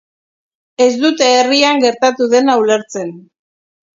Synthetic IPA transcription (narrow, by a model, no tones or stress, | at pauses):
e̞zd̪ut̪eːriaŋɡe̞ɾt̪at̪uðe̞nawle̞ɾt͡se̞n